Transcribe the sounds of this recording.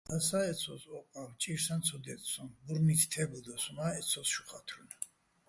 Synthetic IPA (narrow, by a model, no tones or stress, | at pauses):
asaɛt̪sʰɔsɔqʼamt͡ʃʼiɾsant͡sʰɔd̪ɛt̪ʼsɔmbuɾnit̪ʰt̪ʰɛbud̪ɔsumaɛt̪sʰɔsʃuχat̪ʰɾun